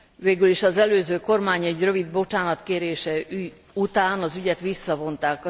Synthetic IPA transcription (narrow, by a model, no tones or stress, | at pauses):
veːɡyliʃɒzɛløːzøːko̞rmaːɲɛɟrø̞vid̪̚bo̞t͡ʃaːnɒt̪keːɾeːʃɛ | ut̪aːnɒzyɟɛt̪ʋisːɒvo̞nt̪aːkɒ